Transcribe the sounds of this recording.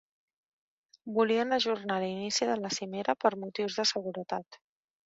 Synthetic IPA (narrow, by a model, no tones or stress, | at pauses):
buliənəʒurnalinisiðələsimeɾʔəpəɾmut̪iwzðəsəɣuɾət̪at̪